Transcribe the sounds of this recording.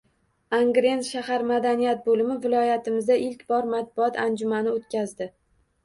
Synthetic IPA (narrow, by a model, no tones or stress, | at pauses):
aŋɡɾe̞nt̪ʃahaɾmad̪anijat̪̚bolɪmɪvɪlˠɒjat̪ʰɪmɪzd̪aʔɪlkʲbɒɾmat̪̚bʊɒt̪and͡ʒʊmanɪot̪̚kʲʰazd̪ɪ